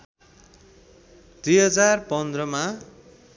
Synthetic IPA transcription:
d̪̥ujɦʌd͡zarpʌnd̪rʌma

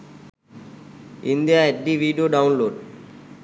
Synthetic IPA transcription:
ĩnd̪ijaeʈɖiʋiːɖijoːɖaʊ̃nloːɖ

